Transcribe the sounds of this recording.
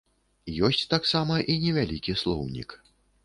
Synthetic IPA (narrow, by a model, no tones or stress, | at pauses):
jɔsʲt͡sʲt̪aksamɐʔinʲɛvʲalʲikʲislˠɔ̰wnʲḭk